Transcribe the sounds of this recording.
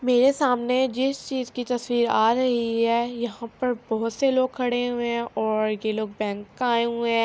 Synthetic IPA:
meːɾesaːmned͡ʒɪst͡ʃiːzkit̪ɐswiːɾaːɾɐɦiɦɛːjɐɦãpɐɾbɔɦʊt̪seloːɡ̚kʰɐɽeɦuẽɔːɾjeloːɡ̚bɛ̃ːŋkaːeɦuẽː

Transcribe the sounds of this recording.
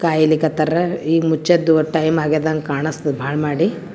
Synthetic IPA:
kaːjilikɐt̪ɐɾɐiːmut͡ʃːɐd̪ːuʈɐjmaːɡed̪aŋɡkaːɳɐst̪ɐbʱaːɭmaːɽi

